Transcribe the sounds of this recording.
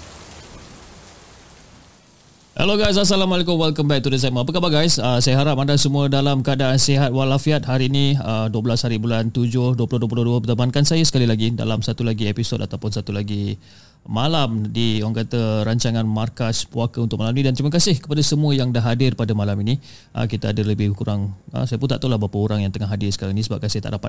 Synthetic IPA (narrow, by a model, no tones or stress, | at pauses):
hɛ̰loɡajs̬as̬alamɔlekʊmwɛlkəmbajk̚t̪udəs̬aməapəkabaɡajsəsajəɦaɾap̚andasəmũədalamkaadaʔanseɦat̪̚walafiat̪̚ɦaɾiːnĩəduəbəlashaɾibulant̪ud͡ʒʊhduəpulʊhduəp̬ulʊhduəbət̪əbankansajəsə̥kalilaɡida̰lamsat̪ulaɡiepisoda̰t̪awpʊnsat̪ulaɡi | malamdiuaŋkat̪əɾaɲt͡ʃaŋanmarkaspuakəunt̪ʊk̚malaminĩdant̪ɾimək̬asɪhkə̥padasəmuəjaŋdaɦadɪrpadamalamini | ʔə̰kit̪aadələbɪhkuɾaŋə̰sajəpunt̪aʔt̪əlahbapəuɾaŋjaŋt̪əŋaɦadɪrsəkaɾaŋinĩsəbap̚kansajat̪a̰ʔdapat̪̚